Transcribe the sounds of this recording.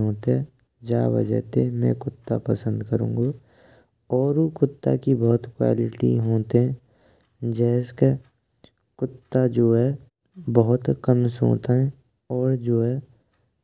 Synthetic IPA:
ɦoːt̪eɛ̃ | d͡ʒa̰ːʋə̰d͡ʒə̰ɦt̪emɛ̃kʊt̪ːa̰pəsə̃nd̪kəɾṵ̃ːŋɡa | ɔːɾokʊt̪ːa̰kibɔɦt̪kwa̰ːlɪʈḭɦoːt̪eɦɛ̃ | d͡ʒɛːske | kʊt̪ːad͡ʒoːɦɛ | bəɦʊt̪kəmso̰ːt̪aɦɛ̃ | ɔːɾd͡ʒoːɦɛ

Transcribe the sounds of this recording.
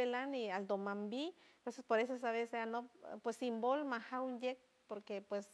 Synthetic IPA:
elaniald̪omambipesespoɾes̬oesaβeseanopwesimbolmahawunjek̚ | poɾkepwes

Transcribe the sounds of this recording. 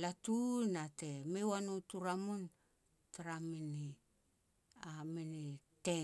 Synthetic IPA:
latunate̞mewanutuɾamun | taɾamini | aminite

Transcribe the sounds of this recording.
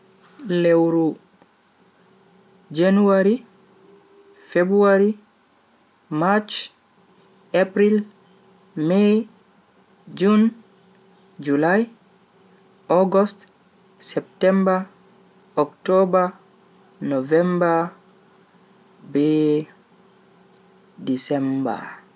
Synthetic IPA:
lewɾu | d͡ʒenuaɾi | febɾuaɾi | mat͡ʃ | apɾil | mɛj | d͡ʒun | d͡ʒulaj | ɔɡɔst | sɛp̚tɛmba | ɔktɔba | nɔvɛmba | bɛ | disɛmba̰

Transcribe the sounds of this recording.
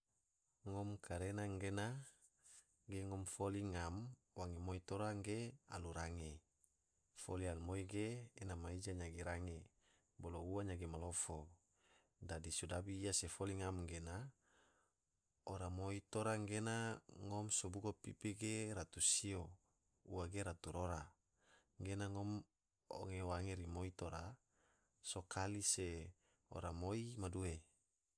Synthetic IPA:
ŋɔmkʰaɾenaŋɡena | ɡeŋɔmfoliŋam | waŋimoit̪oɾaŋɡea̰luɾaŋe | folianmoiɡeːnamaid͡ʒaɲaɡiɾaŋe | bolouaɲaɡimalofo | dadisudabiːasefoliŋamɡena | oɾamoit̪oɾaŋɡenaŋɔmsobuɡopḭpiɡeɾat̪usio | uwaɡeɾat̪uɾoɾa | ŋɡenaŋom | o̰ŋeowaŋeɾimoit̪oɾa | sokʰalise | o̰ɾamoimadue

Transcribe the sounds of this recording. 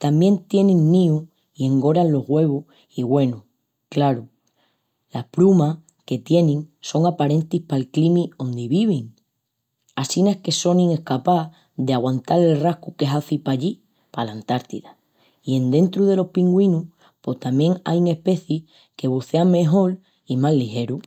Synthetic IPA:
t̪ambje̞nt̪je̞nĩŋːĩu | ie̞ŋɡo̞ɾanlo̞ɦɣwe̞β̞u | iɣwe̞nu | klaɾu | lahpɾuma | ke̞t̪je̞nĩŋso̞ŋapaɾe̞nt̪ihpalklimio̞nd̪iβiβ̞iŋ | asinehke̞so̞nĩŋe̞hkapa | ðeaɣwant̪aɾe̞lrahkuke̞ɦaθipaʎi | palant̪aɾt̪iða | ie̞nd̪e̞nt̪ɾuð̞e̞lo̞hpiŋɡwĩnuh | po̞ht̪amje̞ŋa̰jŋe̞hpe̞θji | ke̞β̞uθe̞aŋme̞ɦo̞l | imallːihe̞ɾu

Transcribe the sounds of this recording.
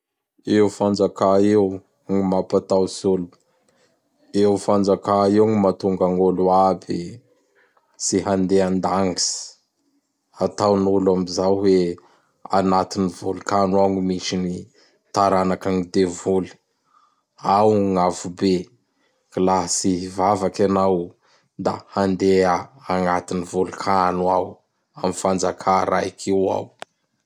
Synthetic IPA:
ewufand͡zakaew | ŋimapat̪awsolu | efand͡zakaewŋimat̪uŋɡaŋoluabi | siɦand̪eand̪aŋɡisi̥ | at̪awnulamizawwe | a̰nat̪inivulukanuaŋimiʃini | t̪aɾanakaŋid̪evuli̥ | awŋavube | ɡ̥ilasivavakanaw | d̪ahand̪eaːŋat̪inivulukʰanuaw | amifand͡zakʰaɾa̰ikʰiwa̰w

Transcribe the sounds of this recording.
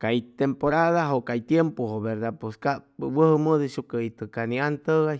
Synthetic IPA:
kajt̪empoɾaðaɦokajt̪jempohoβeɾd̪apeskawəhəməd̪eʃukeit̪əkaniant̪əɣaj

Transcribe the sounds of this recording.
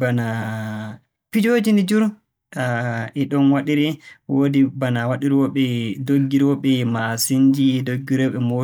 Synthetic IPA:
bana | pid͡ʒoːd͡ʒinid͡ʒuɾ | aɛɗɔnwaɗiɾiwodibanawaɗiɾwɔɓɛdoɡːiɾwɔɓɛmasiɲd͡ʒiɛdoɡːiɾɔɓɛmo

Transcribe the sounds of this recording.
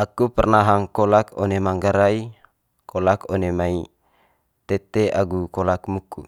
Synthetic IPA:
akupərnaɦaŋkolakonemaŋɡaɾai | kʰolakonemai | t̪et̪eaɡukolak̚mukːṵ

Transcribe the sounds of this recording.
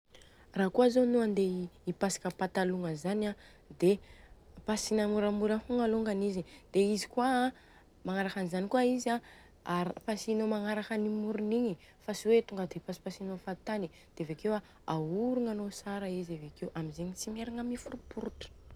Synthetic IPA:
raːkuazonuand̪eipasḁkəpat̪aluŋəzana | d̪e | pasinamuɾamuɾahuŋaluŋɡanizid̪̥eizi̥kua | maŋaɾakanizanikuaiza | aɾpasinomaŋaɾakənimuɾuniɲi | fasiwet̪uŋɡad̪epasi̥pasinofat̪ani | d̪̥evekewa | auɾuŋanosaɾaizavekewʔamizeɲit͡simeɾaŋamifuɾupuɾuʈ͡ʂə̥

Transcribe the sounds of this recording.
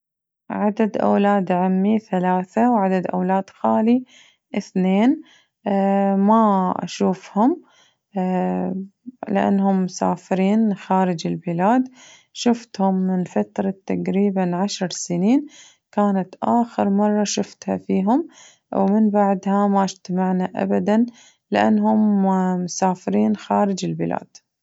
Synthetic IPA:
ʕad̪ad̪ʔa̰wlaːd̪ʕamːiθalaːθawʕad̪ad̪ʔa̰wlaːd̪xaːli | ʔɪθneːn | maʔa̰ʃuːfhʊm | lɪ̰ʔa̰nːhʊmːʊsa̰ːfɪɾiːnxaːɾɪd͡ʒɪlbɪlaːd̪ | ʃʊft̪hʊmːɪnfat̪ɾˤɑt̪ːaqɾiːbanʕaʃɾˤsɪniːn | kaːnat̪ʔaːxɪɾmɑrˤːɑʃʊft̪ha̰fiːɦʊm | wmɪnbaʕd̪hamaʔd͡ʒt̪amaʕnaʔa̰bad̪an | lɪʔanːɦʊmmʊsaːfɪɾiːnxaːɾɪd͡ʒɪlbɪla̰ːd̪̥

